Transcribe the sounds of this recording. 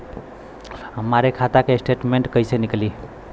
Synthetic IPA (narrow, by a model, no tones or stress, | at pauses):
ɦəmaɾekʰat̪akesʈeʈmẽɳʈkəjsenikli